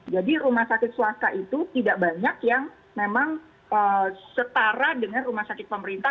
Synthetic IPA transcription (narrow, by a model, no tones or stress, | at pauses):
d͡ʒadiɾumahsakɪt̪̚suast̪aʔit̪ut̪idaʔbaɲakjaŋ | memaŋ | əːsət̪aɾadəŋanrumahsakɪt̪̚pəməɾint̪a